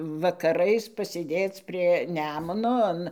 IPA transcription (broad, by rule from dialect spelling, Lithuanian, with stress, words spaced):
ʋɐkɐˈrɐɪs pɐsʲeːˈdʲeːt͡s pʲrʲiɛ ˈnʲæːmʊnoː ˈɐn